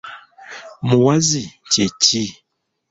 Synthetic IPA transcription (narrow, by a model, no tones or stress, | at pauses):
muwazit͡ʃeti